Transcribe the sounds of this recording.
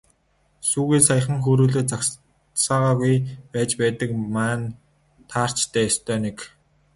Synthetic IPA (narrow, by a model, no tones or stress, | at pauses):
suːɣiːsajə̆χə̆ŋxuɾuːɮeːt͡sak | saːʁaːɣujpæːt͡ɕpæːt̪ə̆kmaːn | t̪ʰaːr̥t͡ɕt̪ʰæːjɔst̪ʰœːnek